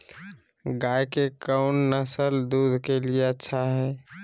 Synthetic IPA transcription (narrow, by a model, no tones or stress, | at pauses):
ɡaːjkekəʊnnəsəld̪uːd̪ʱkelieətːʃʰaɦɛː